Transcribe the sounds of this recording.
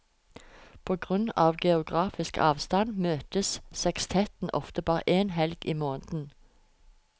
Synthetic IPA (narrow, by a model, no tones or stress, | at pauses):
pʰoːɡʁʉnɑːʋɡɛʊɡʁɑːfɪskʰɑ̰ːʋst̪ɑnmøːt̪əssɛkst̪ʰɛt̪n̩ʔɔ̰ft̪əbɑːʁə̰ʔeːnhɛlɡʔiːmoːnd̪n̩